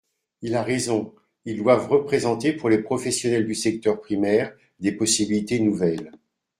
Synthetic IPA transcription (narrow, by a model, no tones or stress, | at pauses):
ilaʁezɔ̃ | ild̪wavʁəpχezɑ̃t̪epuʁlepχɔfɛsjɔnɛld̪ysɛk̚t̪œʁpχimɛʁ | d̪epɔsibilit̪enuvɛl